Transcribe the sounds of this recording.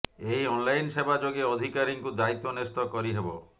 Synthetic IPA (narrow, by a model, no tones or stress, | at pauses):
ejɔnlajnsebʱad͡ʒoɡeɔd̪ʱikaɾiŋkud̪ait̪ːonest̪ɔkɔɾiɦebo